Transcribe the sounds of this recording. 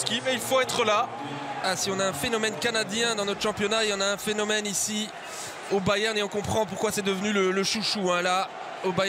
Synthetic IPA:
kʲimɛilfoɛt̪χəla | asiɔ̃naɛ̃fenɔmɛnkanad̪jɛ̃d̪ɑ̃nɔt̪χə̥ʃɑ̃pjɔnaeɑ̃naɛ̃fenɔmɛnisi | obajɛʁneɔ̃kɔ̃pχɑ̃puʁkwasɛd̪əvnylələʃuʃuɛ̃la | obaj

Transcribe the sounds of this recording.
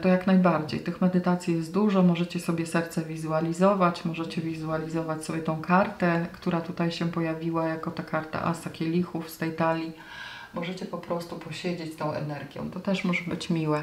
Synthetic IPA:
t̪ɔjaknajbaɾd͡ʑḛjt̪ɘxmɛd̪ɘt̪at̪sʲjijɛst̪̚d̪uʐɔmɔʐɛt͡ɕɛsɔbʲjɛsɛɾt̪sɛvʲizualʲizɔvat͡ɕmɔʐɛt͡ɕɛvʲizualʲizɔvat͡ɕsɔbʲjɛt̪ɔ̃w̃kʰaɾt̪ɛkt̪uɾat̪ut̪ajɕɛpɔjavʲiwajakɔt̪akaɾt̪a̰ʔa̰sakʲɛlʲixufst̪ɛjt̪alʲi | mɔʐɛt͡ɕɛpɔpɾɔst̪upɔɕed͡ʑet͡ɕt̪ɔ̃w̃ɛ̰nɛɾɡʲjɔ̰̃w̃t̪ɔt̪ɛʂmɔʐɛbɘt͡ɕmʲiwɛ

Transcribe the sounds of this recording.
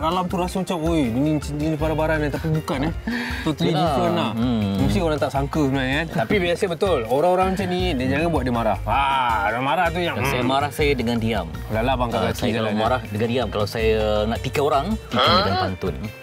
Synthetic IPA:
ɾalamt̪uɾasumat͡ʃamojdinidinipaɾabaɾanat̪apibukanaht̪ot̪lianamũst̪ioɾaŋt̪aʔsaŋkəsəbənakant̪apibiasəbət̪ʊloɾaŋoɾaŋmət͡ʃanĩdad͡ʒaŋabuaʔ̚dimaɾahaamaɾaht̪̬ujaŋsajmaɾahsajadəŋandiam | lalabaŋkaasaijaaalamaɾahdəŋandiamkalawsajanaʔt̪ikaoɾaŋt̪ikadɡanpant̪ʊn

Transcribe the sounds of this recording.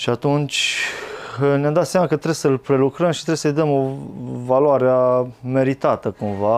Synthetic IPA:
ʃiat̪unt͡ʃʲ | njamd̪at̪sjamakət̪ɾe̞bsəlpɾe̞lukɾəmʃi̥t̪ɾeesəjd̪əmovaloaɾeame̞ɾit̪at̪əkumva

